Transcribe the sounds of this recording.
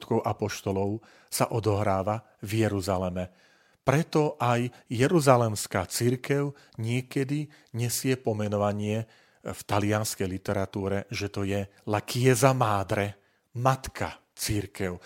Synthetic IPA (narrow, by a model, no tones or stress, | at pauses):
t̪kɔʊʔapɔʃt̪ɔlɔʊ | sa̰ʔɔd̪ɔɦɾaːʋa | vjɛɾuzalɛmɛ | pɾɛt̪ɔʔajːɛɾuzalɛmskaːt͡siɾkɛʊ | ɲɪɛkɛd̪i | ɲɛsɪɛpɔmɛnɔʋaɲɪɛ | ft̪alɪanskɛjlit̪ɛɾat̪uːɾɛʒɛt̪ɔjɛlakʰɪɛzamaːd̪ɾɛ | mat̪kʰa̰ | t͡siɾkɛʊ